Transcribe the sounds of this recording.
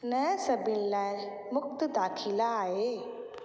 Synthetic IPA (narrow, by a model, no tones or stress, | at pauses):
nəsəbilːaɾ | muk̚t̪əd̪akʰilaːɦe